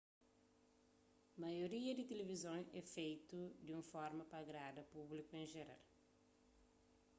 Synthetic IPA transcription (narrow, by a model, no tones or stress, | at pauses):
mɐjoɾiɐd̪it̪elevizõŋɛfejt̪ud̪iũfɔɾmɐpɐɡɾad̪ɐpublikuẽʒeɾa̰l